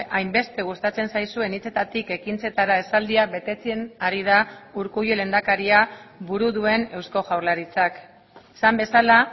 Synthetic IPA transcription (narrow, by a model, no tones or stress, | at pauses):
ajmbe̞st̪e̞ɣ̞ust̪at͡se̞nsajsue̞nit͡se̞t̪at̪ike̞kint͡se̞t̪aɾae̞sald̪iak̚be̞t̪e̞t͡sienaɾið̞auɾkujole̞nd̪akaɾiaβuɾuðue̞ne̞wsko̞ʝawɾlaɾit͡sak | sambe̞sala